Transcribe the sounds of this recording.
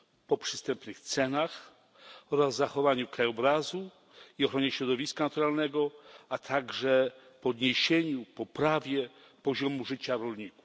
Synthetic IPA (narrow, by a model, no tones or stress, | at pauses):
pɔpʂɘ̥st̪ɛmpnɘxt̪sɛnax | ɔɾazːaxɔvaɲukɾajɔbɾazu | iɔxɾɔɲɛɕɾɔd̪ɔvʲiskanat̪uɾalnɛɡɔat̪ʰaɡʐɛpɔd̪ɲeɕeɲupɔpɾavʲjɛ | pɔʑɔmuʐɘt͡ɕaɾɔlɲiku̥f